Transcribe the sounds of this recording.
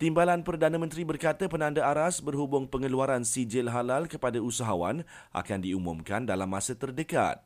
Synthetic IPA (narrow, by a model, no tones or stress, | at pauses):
t̪imbalanpərdanãmənt̪ɾibərkat̪əpənãndaaɾasbərɦubʊŋpəŋəluaɾansid͡ʒɪlɦalalkəpadausaɦawan | ʔa̰kandiumʊ̰̃mkandalamːãsət̪ərdəka̰t̪̚